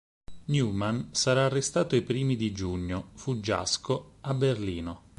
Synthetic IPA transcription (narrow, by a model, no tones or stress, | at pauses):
njuːmansaɾaːrːest̪aːt̪oipɾiːmid̪id͡ʒuɲːofud͡ʒa̰skoabːerliːno